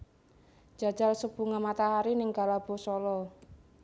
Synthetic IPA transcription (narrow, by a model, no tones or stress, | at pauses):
d͡ʒ̥a̤d̥d͡ʒ̥alsəb̥ṳŋamat̪aɦaɾinɪŋɡalab̥ɔ̤sɔlɔ